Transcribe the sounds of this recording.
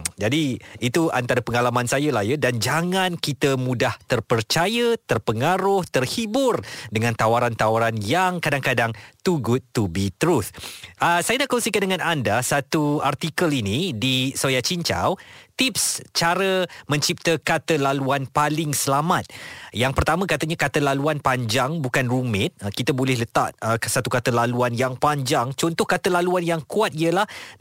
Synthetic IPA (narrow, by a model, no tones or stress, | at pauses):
d͡ʒadiit̪uʔant̪aɾəpəŋalamãnsajəlajədand͡ʒaŋãnkit̪əmũdaht̪ərpərt͡ʃajət̪ərpəŋaɾʊht̪ərhibʊrdəŋãnt̪awaɾant̪awaɾanjaŋkadaŋkadaŋt̪uɡʊt̪ːubit̪əɾut̪ʔəsajanaʔkɔnsikandəŋãnandasat̪uart̪ikəlinidisojat͡ʃiɲt͡ʃa̰wt̪ip̚st͡ʃaɾəmə̃ɲt͡ʃip̚t̪əkat̪əlaluanpalɪŋsəlamat̪̚jaŋpərt̪amãkat̪aɲãkat̪əlaluanpaɲd͡ʒaŋbukanrumɪt̪̚kit̪abolɛhlət̪at̪̚əsat̪ukat̪əlaluanjaŋpaɲd͡ʒaŋt͡ʃɔnt̪ɔhkat̪əlaluanjaŋkuat̪̚iəlah